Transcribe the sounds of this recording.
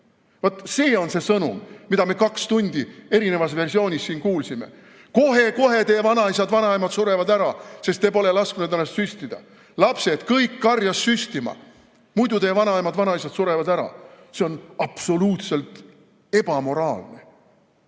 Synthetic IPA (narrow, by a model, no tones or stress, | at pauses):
vɑt̪se̞ːo̞nse̞sɤnṵmːid̪ɑmekɑkst̪unʲd̪̥ie̞ɾine̞vɑs̬ve̞rsio̞ːnʲisːiːnkuːlsimḛ | ko̞ɦe̞ko̞ɦe̞t̪e̞ːvɑnɑisɑd̪vɑnɑemɑd̪suɾe̞vɑd̪æɾɑse̞st̪epo̞le̞lɑskunud̪ænːɑst̪syst̪id̪̥ɑ̰ | lɑpse̞d̪̥kɤjkːɑrjɑsːyst̪imɑ̰ | mujd̪ut̪eːvɑnɑejmɑd̪vɑnɑisɑd̪̥suɾe̞vɑd̪æɾɑ̰ | se̞o̞nɑb̥so̞luːt̪se̞lt̪ | e̞b̥ɑmo̞ɾɑːlne̞̰